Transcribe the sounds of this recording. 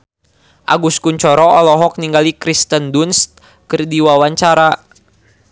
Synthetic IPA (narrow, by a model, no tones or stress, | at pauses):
ʔa̰ɡuskuɲt͡ʃɔɾɔɔlɔɦɔk̚niŋɡalikɾist̪əndunst̪̚ | kərdiwawaɲt͡ʃaɾa